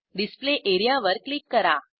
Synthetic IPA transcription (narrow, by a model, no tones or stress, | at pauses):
ɖispleʔeɾijaʋəɾklikːəɾa